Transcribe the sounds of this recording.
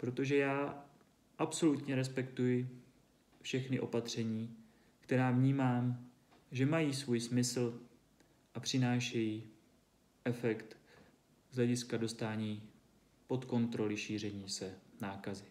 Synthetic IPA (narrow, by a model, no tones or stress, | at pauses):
pɾo̞t̪o̞ʒɛjaː | ʔapso̞lut̪ɲɛɾɛspɛkt̪ujɪ | fʃɛxnɪʔo̞̰pat̪r̝̥ɛɲiː | kt̪ɛɾaːvɲiːmaːm | ʒɛmajiːsvuːjsmɪsl̩ | ʔapr̝̥ɪnaːʃɛji | ʔɛfɛkt̪ | zɦlɛɟɪskado̞st̪aːɲiː | po̞t̪ko̞nt̪ɾo̞lɪʃiːr̝ɛɲiːsɛnaːkazɪ